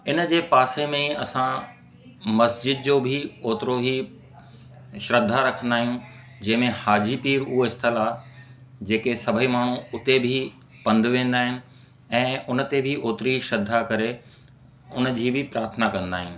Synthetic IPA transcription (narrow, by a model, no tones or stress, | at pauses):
ɪnə̆d͡ʑeːpaːsemẽɐsã | mɐsd͡ʑɪd̪̚d͡ʑoːbʱɪoːt̪ɪɾoɦi | ʃɾɐd̪ʱːaɾɐkʰə̃nd̪aːɦijũ | d͡ʑɐ̃ɦɪ̃mẽhaːd͡ʑipiːɾʊɦoɪst̪ʰɪla | d͡ʑeːkesɐbʱəimaːɳ̤ũʊt̪ebʱɪ | pɐ̃nd̪ʋẽːnd̪aːɦɪnɪ̆ | ɛ̃ːʊnə̆t̪ebʱɪʔoːt̪ɾiʃɾɐd̪ʱːakɐɾe | ʊnd͡ʑiːbʱɪpɾaːɾt̪ʰənakɐ̃nd̪a̰ːɦijũ